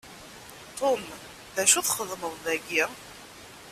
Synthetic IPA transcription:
t̪ʰˤom | ðæʃuθχəðməðˤðæɡi

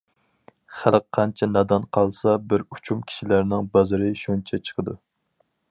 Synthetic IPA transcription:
χælqqʰːɑnt͡ʃʰɛnɑd̪ɑnqʰɑlˠsɑbɪɾut͡ʃʰumkʲʰi̥ʃilæɾnɪŋbɑzɨɾɪʃont͡ʃʰɛt͡ʃʰə̥qʰəd̪u

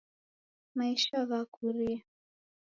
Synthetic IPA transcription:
maiʃaɣakʰuɾia

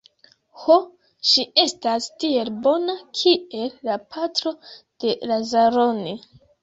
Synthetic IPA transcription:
ho | ʃie̞stastie̞lbo̞nakʰie̞lːapʰatɾo̞d̥e̞lazaɾo̞ni

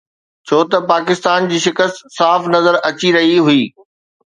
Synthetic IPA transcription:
t͡ɕʰoːt̪ɐpaːkɪst̪aːnd͡ʑiːʃɪkəst̪saːfnɐzəɾɐt͡ɕiɾɐɦiɦʊiː

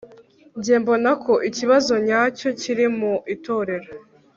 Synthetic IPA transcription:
ɲɟeːmbo̞nakʰo̞ʔiciβazo̞ɲaːco̞ciɾimuito̞ːɾe̞ɾo

